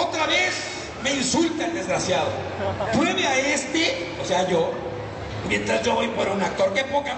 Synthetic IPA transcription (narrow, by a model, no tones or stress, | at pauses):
ot̪ɾaβe̞s | me̞insult̪aeld̪ezɣɾasjaðo̰ | pweβeaest̪e | oseaʝo̞ | mjẽ̞nt̪ɾazʝo̞βo̞jpoɾaunak̚t̪o̞ɾkepoka